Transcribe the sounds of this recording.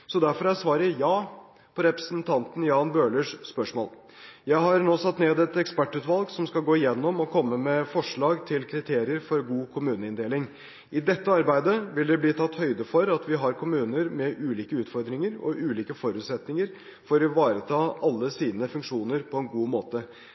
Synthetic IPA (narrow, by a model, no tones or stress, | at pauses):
sɔd̪æɾfɔɾæɾsʋɑːɾəjɑː | pʰɔɾɛpɾəsənt̪ʰɑnt̪n̩jɑːnbøːləʂspœʂmo̰ːl | jæɪɦɑɾnoːsɑt̪ːneːd̪ɛt̪ɛkspæʈːʉːt̪ʋɑlɡsɔmskɑlɡoːɪjɛnːɔmɔkʰɔmːəmɛfɔʂɭɑːɡt̪ʰɪlkʰɾɪt̪ʰeːɾɪəɾfɔɾɡuːkʰʊmʉːnəɪnd̪eːlɪŋ | ʔɪd̪ɛt̪ːəɑɾbæɪd̪əʋɪld̪ɛbliːt̪ʰɑt̪ːhœʏd̪əfɔɾɑt̪ʋɪɦɑɾkʰʊmʉːnəɾmɛʔʉːliːkəʉːt̪fɔɾd̪ɾɪŋəɾɔ̰ʔʉːliːkəfɔɾʉːt̪sɛt̪nɪŋəɾ | fɔɾɔʋɑːɾət̪ʰɑːʔɑlːəsiːnəfʉŋkʂuːnəɾpʰɔɛnɡuːmoːt̪ə